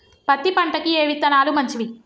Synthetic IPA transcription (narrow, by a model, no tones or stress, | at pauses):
pɐt̪ːipɐɳʈɐkieːʋit̪ːɐnaːlumɐɲt͡ʃiʋi